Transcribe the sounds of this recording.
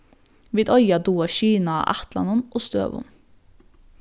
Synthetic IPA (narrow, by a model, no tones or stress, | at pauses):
ʋiːd̪ɔʏɑd̪uːɑʃiːnɑ̰ʔæt̪lɑ̰nʊnʔoːst̪ø̰ːʋʊ̰n